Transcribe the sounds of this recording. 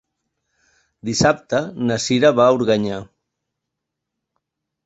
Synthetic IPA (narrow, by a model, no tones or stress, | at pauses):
d̪isap̚t̪ənasiɾaβauɾɣaɲa